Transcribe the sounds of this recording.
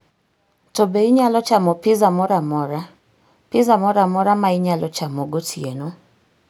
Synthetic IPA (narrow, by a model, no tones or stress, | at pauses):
tɔbeiɲalɔt͡ʃamɔpɪzamɔɾamɔɾa | pɪzamɔɾamɔɾamaiɲalɔt͡ʃamoɡotʰieno